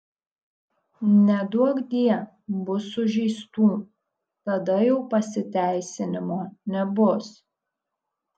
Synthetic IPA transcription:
nʲɛd̪uɔkd̪ʲiɛ | bʊsʊʒʲɛɪst̪uː | t̪ɐd̪ɐjɛʊpɐsʲɪt̪ʲæˑɪsʲɪnʲɪmoːnʲɛbʊs

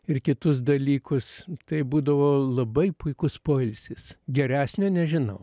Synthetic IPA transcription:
ɪrkʲɪt̪ʊs̬d̪ɐlʲiːkʊst̪ɐɪbuːd̪ɐʋoːlˠɐbɐɪpʊɪkʊspoːɪlʲsʲɪsɡʲɛɾʲæːsʲnʲoːnʲɛʒʲɪnɐʊ

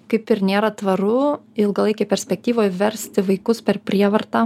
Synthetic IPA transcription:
kɐɪpɪɾnʲeːɾɐt̪ʋɐɾʊɪlˠɡɐlˠɐɪkʲɛpʲɛɾʲsʲpʲɛk̚t̪ʲiːʋoːjʋʲɛɾʲsʲt̪ʲɪʋɐɪkʊspʲɛɾpʲɾʲiɛʋɐɾt̪ɑː

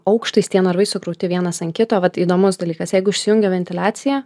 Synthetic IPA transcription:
ɐʊkʃt̪ɐɪsʲt̪ʲiɛnɐɾʋɐɪsʊkɾɐʊt̪ʲɪʋʲiɛnɐsɐnkʲɪt̪oːʋɐt̪iːd̪oːmʊsd̪ɐlʲiːkɐsjɛɪɡʊɪʃʲsʲɪjʊŋʲɡʲɛʋʲɛnʲt̪ʲɪlʲæːt͡ssʲɪjæː

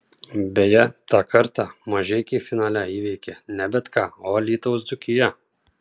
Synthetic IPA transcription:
bʲɛːjɛt̪ɑːkʰɐɾt̪ɑmɐʒʲɛkʲifʲɪnɑːlʲæiːʋʲɛɪkʲɛnʲɛbʲɛt̪kɑːoːlʲiːt̪oʊsd̪ʊkʲɪjɛ

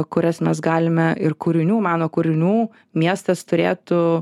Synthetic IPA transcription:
kʊɾʲɛsmʲɛsɡɑːlʲɪmʲɛɪrkʊɾʲɪnʲuːmɑːnoːkʊɾʲɪnʲuː | mʲiɛst̪ɐst̪ʊɾʲḛːt̪ʊ

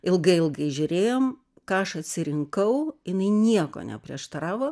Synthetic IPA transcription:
ɪlˠɡɐɪɪlˠɡɐɪʒʲʊɾʲeːjoːm | kɑːɐʃɐt̪ʲsʲɪɾʲɪŋkɐʊjɪnɐɪnʲiɛko̰ːnʲɛ̰pʲɾʲiɛʃt̪ɐɾɑːʋoː

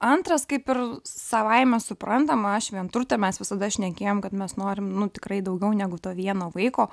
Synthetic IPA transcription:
ɐnt̪ɾɐskɐɪpɪrsɐʋɐɪmʲɛsʊpɾɐnt̪ɐmɐʃʋʲiɛnt̪ʊɾʲt̪ʲɛmʲɛsʋʲɪsɐd̪ɐʃʲnʲɛkʲeːjoːmkɐt̪mʲɛsnoːɾʲɪmnʊt̪ʲɪkɾɐɪd̪ɐʊɡʲɛʊnʲæɡʊt̪oːʋʲiɛnoːʋɐɪkoː

